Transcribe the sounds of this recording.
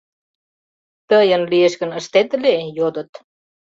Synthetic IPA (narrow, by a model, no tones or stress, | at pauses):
t̪əjə̆nlieʃkə̆nə̆ʃt̪et̪lejod̪ə̆t̪